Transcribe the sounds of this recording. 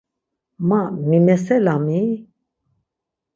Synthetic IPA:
mãmimɛsɛlami

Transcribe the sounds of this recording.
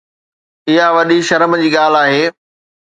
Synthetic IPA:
ɪɦaʋɐɗiʃɐɾəmd͡ʑiːɠaːl̤aːɦeː

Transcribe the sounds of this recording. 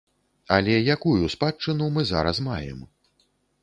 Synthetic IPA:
ɐlʲɛjakujuspat͡ʂːɨnumɨza̰ɾɐsmajɛ̰m

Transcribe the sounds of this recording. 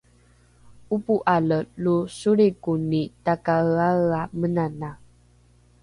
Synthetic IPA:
upuʔaləlusuɾikunitakaaɣamənana

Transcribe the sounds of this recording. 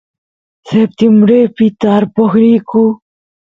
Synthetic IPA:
sep̚t̪imbɾepit̪aːɾpoxɾiku

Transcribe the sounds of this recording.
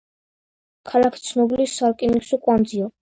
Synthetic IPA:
kʰalakʰi̥t̪sʰnɔbilisalkʼiniksukʼwand̪ziɔ

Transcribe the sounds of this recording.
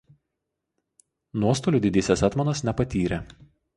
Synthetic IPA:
nuɔst̪oːlʲuːd̪ʲɪd̪ʲisʲɛsɛt̪mɐnɐsnʲɛpɐt̪ʲiːɾʲe

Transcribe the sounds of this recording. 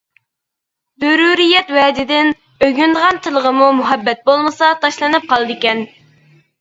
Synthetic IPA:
zøɾuːɾijɛt̪wɛd̪ɪd̪ɪn | øɡʲynd̪əʁɑnt̪ʰɨlˠəʁəmumuɦɛbːɛt̪̚bolˠmɨsɑt̪ʰɑʃlˠɨnɨp̚qʰɑlˠɨd̪ɪkʲɛn

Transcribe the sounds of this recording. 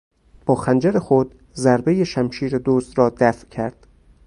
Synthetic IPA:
b̥ɒːxænd͡ʒæɾexod̪̥ | zæɾbejeʃæmʃiːɾed̪oːsd̪ɾɒːd̪æfʔcʰæɾd̪̥

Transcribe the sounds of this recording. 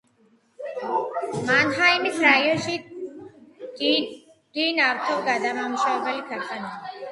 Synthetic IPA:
manɦaimisɾaiɔʃi | d̪̥inaɾt̪ʰɔlɡad̪amamuʃavɛbɛlikʰat̪ʼanai

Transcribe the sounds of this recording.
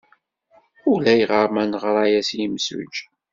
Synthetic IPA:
ʊlæjʁəɾˤmænʁɾˤɑjæsjəmsṵd͡ʒ

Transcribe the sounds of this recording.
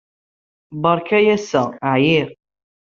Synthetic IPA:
bɑɾˤkæjæsəʕjiɾ

